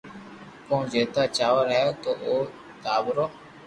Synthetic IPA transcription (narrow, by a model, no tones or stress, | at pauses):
kõːd͡ʒeːt̪aːt͡ʃaːʋəɾaːjoːt̪oːʔoː | t̪aːbɾoː